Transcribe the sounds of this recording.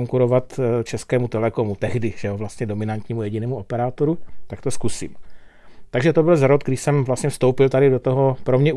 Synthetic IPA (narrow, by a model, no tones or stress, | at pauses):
ŋkuɾo̞vat̪t͡ʃɛskɛːmut̪ɛlɛko̞mut̪ɛɣdɪʒ̥ɛovlast̪ɲɛdo̞mɪnant̪ɲiːmujɛɟɪnɛːmuo̞pɛɾaːt̪oɾut̪akt̪o̞skusḭːm | t̪aɡʒɛt̪o̞bɪlzɾot̪ɡdɪʃsɛmvlast̪ɲɛfst̪o̞wpɪlt̪adɪdot̪oɦo̞pɾo̞mɲɛ